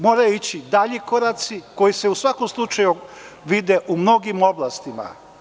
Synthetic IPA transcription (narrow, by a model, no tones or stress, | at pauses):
mo̞ːɾajoit͡ɕid̪aʎiko̞ɾat̪siko̞jise̞usʋakomslˠut͡ʃaju | ʋid̪eʔumno̞ɡimo̞blˠast̪ima̰